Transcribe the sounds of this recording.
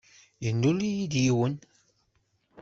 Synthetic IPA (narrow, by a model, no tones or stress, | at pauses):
jənːulijid̪jiwən